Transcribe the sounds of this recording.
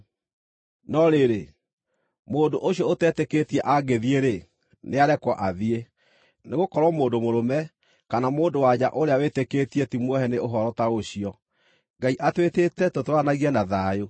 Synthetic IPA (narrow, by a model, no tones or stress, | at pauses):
nɔɾeɾe | moːndoʔoɕiɔotɛteketiɛʔaɡeðieɾe | neaɾɛkwɔʔaðie | neɣokɔɾwɔmoːndomoɾomɛ | kanamoːndowaɲa̰ʔoɾeaweteketietimwɔhɛneoɦɔɾɔtaoɕiɔ | ŋɡaiʔatwetetɛtotwanaɣiɛnaðaːjo